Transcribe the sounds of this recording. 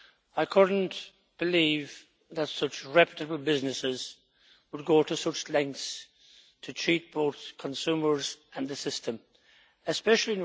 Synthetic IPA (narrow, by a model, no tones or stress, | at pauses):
aɪkʰʊdⁿn̩ | b̥ɪliːv | ðətsʊt͡ʃɹɛpətəbəlˠbɪznɨsɪz | wəd̚ɡoɾəsʌt͡ʃlɛ̃ŋk̚θs | tʰɨtʰɹ̥it̚b̥oʊθkʰə̃nsʉːmə˞zə̃nðɨsɪstʰə̃m | ɨspɛʃəlˠi